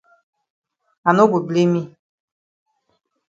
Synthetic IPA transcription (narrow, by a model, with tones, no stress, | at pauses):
a˨no˦ɡʷo˨ble˦mi˦